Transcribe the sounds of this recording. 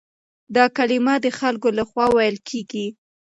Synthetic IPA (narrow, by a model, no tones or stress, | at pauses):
d̪ɑkalɪmad̪əxalkolaxwɑwajəlkʰeɡi